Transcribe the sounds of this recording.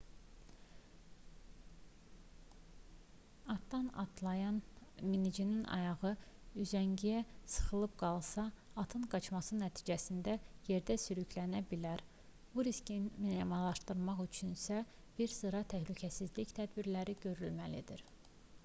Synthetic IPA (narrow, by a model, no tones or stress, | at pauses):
ɑt̪d̪ɑnɑ̰t̪lˠɑjɑnminid͡ʒininʔɑ̰jɑɣɯyzæɲɟijæsɯ̥χɯlˠɯb̚ɡɑlˠsɑːt̪ʰɯnɡɑt͡ʃmɑsɯnæt̪ʰi̥ːd͡ʒæsind̪æje̞ɾd̪æsyɾycʰlænæbilæɾ | b̥uɾiscinminemɑlˠɑʃt̪ɯɾmɑχyt͡ʃʰynsæ | b̥iɾsɯɾɑt̪ʰæhlycʰæsizliçt̪ʰæd̪biɾlæɾiɟø̞ɾylmælid̪iɾ